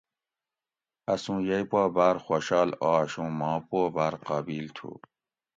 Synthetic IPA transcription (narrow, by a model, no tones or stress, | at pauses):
ɐsũːjɐjpaːbaɾxoɕɑːlaːɕũːmɑ̃ːpobaːɾqabiːlt̪ʰṵ